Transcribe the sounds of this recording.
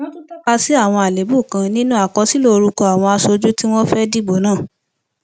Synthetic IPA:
wɔ̃˦tu˦tɔ˦ka˧si˦a˦˨w̃ɔ̃˧a˨le˨˦bu˦˨kã˧nĩ˦nũ˦a˦˨kɔ˧si˨˦lo˦˧ɾu˧kɔ˧a˨w̃ɔ̃˧a˧so˧d͡ʒu˦ti˦w̃ɔ̃˦fɛ˦di˦ɡ͡bo˨˦nãː˦˨

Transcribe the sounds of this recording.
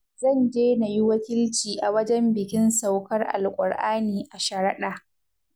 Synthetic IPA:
zɐ˦˨nd͡ʒeː˦na˨ji˦wɐ˦kʲɪ˦lt͡ʃiː˨ʔa˨wɐ˦d͡ʒɛ˦mbɪ˨kʲɪ˦nsa˨wkɐ˦rʔa̰˨lkʷʼʊ˨ɽʔaː˦niː˨ʔa˨ʃɐ˨ɾɐ˦ɗaː˨

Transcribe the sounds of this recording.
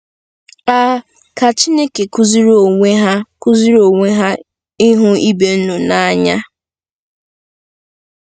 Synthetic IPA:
a˦ | ka˨t͡ʃi˦ne˦ke˨ku˦zi˦ɾo˨ŋʷe˦ɦa˦kʊ˦zi˦ɾo˨ŋʷe˦ɦa˦ | ɪ˦ɦʊ˦i˦be˨n̩˦nʊ˨na˨˦ɲa˦

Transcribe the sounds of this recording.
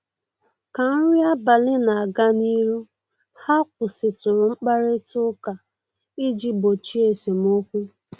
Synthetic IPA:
ka˨n̩˦ɾʷi˦a˦ba˨lɪ˦na˨a˨ɡa˦ni˦ɾu˦ | ha˦k̚ʷʊ˨sɪ˨tʊ˨ɾʊ˨ŋ͡m̩˦k͡pa˦ɾɪ˦tʊ˦ka˨ | i˦d͡ʒi˦bo˨t͡ʃi˦e˨se˨m˦o˦kʷu˦

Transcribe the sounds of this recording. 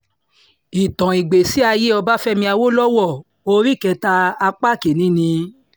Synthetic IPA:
i˨tɔ̃˨i˨ɡ͡be˨si˨˦a˧je˦ɔ˧ba˦fɛ˦mĩ˧a˧wo˦lɔ˦wɔ˦˨ | o˧ɾi˦˨kɛ˧ta˧a˧k͡pa˦˨ke˨nĩ˦nĩ˧˦

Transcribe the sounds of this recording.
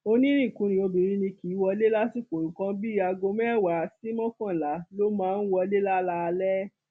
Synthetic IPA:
o˧nĩ˦ɾĩ˦˨kũ˨˦nĩ˧o˧bĩ˨ɾ̃ĩ˦nĩ˧ki˨˦wɔ˧le˦la˦si˦ko˨ɾũ˨kã˦bi˦a˧ɡo˧mɛ˦˨wa˨si˦mɔ̃˦kã˦˨la˨˦lo˦mãː˦˧n̩˦wɔ˧le˦la˦la˦˧lɛ˦

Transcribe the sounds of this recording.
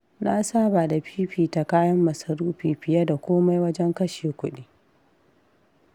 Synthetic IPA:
na˦saː˦ba˨da˨ɸʰi˦ɸiː˨ta˨kaː˦jɐ˦mːɐ˨sɐ˨ɾuː˦ɸiː˨ɸɪ˨ja˦da˨kʷoː˦ma˦jwɐ˦d͡ʒɛ˦ŋkɐ˦ʃeː˨kʷʊ˦ɗiː˦

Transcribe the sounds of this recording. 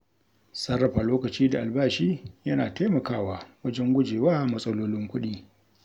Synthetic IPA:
sɐ˦rːɐ˨ɸaː˨loː˦kɐ˨t͡ʃiː˦da˨ʔa˨lbaː˦ʃiː˦jɐ˦naː˨teː˦mɐ˨kaː˦˨waː˨wɐ˦d͡ʒɛ˦ŋɡʷʊ˦d͡ʒeː˨waː˦mɐ˦sʼɐ˦loː˦lɪ˦ŋkʷʊ˦ɗiː˦

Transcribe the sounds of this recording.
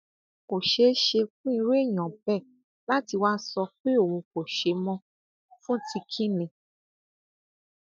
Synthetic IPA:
ko˨ʃe˨˦ʃe˧fũ˦i˧ɾe˦˨j̃ɔ̃˨bɛ˦˨ | la˦ti˧wa˦sɔ˧k͡pe˦o˦˨wõ˧ko˨ʃe˧mɔ̃˧ | fũ˦˨tʰi˧kʰĩ˦nĩ˨

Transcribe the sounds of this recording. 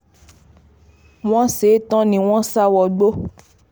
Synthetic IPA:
w̃ɔ̃˦se˨˦tɔ̃˦nĩ˧w̃ɔ̃˦sa˦wɔ˧ɡ͡bo˦

